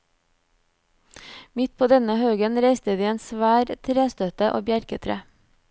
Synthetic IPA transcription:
mɪt̪̚pʰoːd̪ɛnəhøːɡənɾæɪst̪əd̪iːeːnsʋæːɾt̪ʰɾeːst̪œt̪əʔo̰ːbjæɾkət̪ʰɾḛː

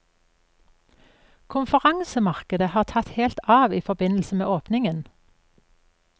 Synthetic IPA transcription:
kʰʊnfəʁɑŋsəmɑʁkəd̪əhɑːʁt̪ʰɑt̪heːlt̪ɑːʋiːfɔbɪnl̩səmḛːʔoːpnɪŋən

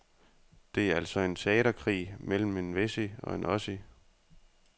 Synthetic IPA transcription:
d̥e̝æɐæl̰sɒ̽e̝nt͡sʰe̝ɛ̰ːɾɐkʰʁḭːmel̰m̩e̝nʋesiɒ̽e̝nʔɒ̽si

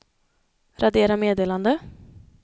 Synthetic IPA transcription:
ɾʔad̪eːɾameːd̪eːland̪ə

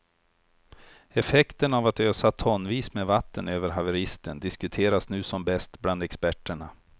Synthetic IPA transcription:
ɛfɛkt̪ənavat̪øːsat̪ʰɔnːviːsmeːvat̪ːənøːvəɾɦavɛɾɪst̪ʰənd̪ɪskɵt̪ʰeːɾasnʉ̟ːsɔmbɛst̪bland̪ɛkspæʈːəɳa

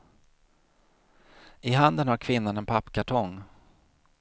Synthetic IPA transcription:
ɪɦand̪ənhaɾkʰvɪnːanɛnpʰapːkʰaʈʰɔŋ

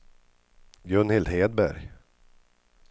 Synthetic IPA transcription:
ɡɾɵnhɪld̪heːd̪bæ̰ɾj

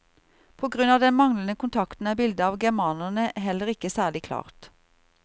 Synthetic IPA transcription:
pʰoːɡʁʉnɑːʋd̪ɛnmɑŋlənəkʊnt̪ʰɑkt̪n̩æːbɪld̪əɑːʋɡæʁmɑːnəʁnəɦɛlːəʁɪkəsæːʁɭɪkʰlɑ̰ːʁt̪

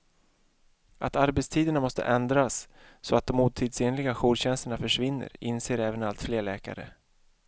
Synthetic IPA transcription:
ʔat̪aɾbɛt̪st̪ʰiːd̪əɳamɔst̪ə̰ʔɛnd̪ɾasː | ɔat̪̚d̪ɔmːuːt̪ʰiːd̪seːnlɪɡaɧuːɖɕɛnst̪əɳafœʂvɪnːə̰ɾɪnseːɾɛːvənalt̪fleːɭɛːka̰ɾə̰

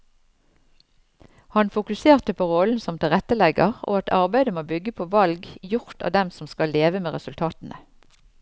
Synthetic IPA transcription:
hɑnfʊkʉseːʁt̪əpʰoːʁoln̩sɔmt̪ʰɪlʁɛt̪əlɛɡəʁʔo̰ːɑt̪ʰɑʁbæɪd̪əmoːbʏɡəpʰoːʋɑlɡjʊʁt̪ɑ̰ːd̪ɛmsɔmskɑlːeːʋəmeːʁɛsʉlt̪ʰɑːt̪n̩ʔə

